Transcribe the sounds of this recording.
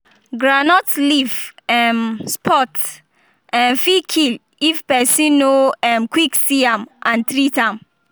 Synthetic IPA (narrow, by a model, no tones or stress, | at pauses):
ɡɹanɔtlivɛmspʰɔt | ɛ̃nfikʰil | ifpɛsĩnoɛmkwiksiãmʔãntɾitãm